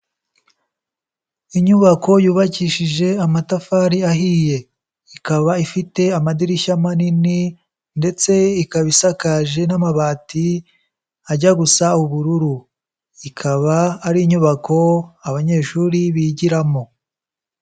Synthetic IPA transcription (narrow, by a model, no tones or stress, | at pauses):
iɲuβako̞juːβaciʃiʒe̞amatafaːɾiaɦiːje̞ | ikaβaifite̞amadiɾiʃamanini | nde̞t͡se̞ikaβisakaʒe̞namaβaːti | aɟaɡusauβuɾuɾu | ikʰaβaːɾiːɲuβako̞aβaɲe̞ʃuɾiβiɟiɾamo̞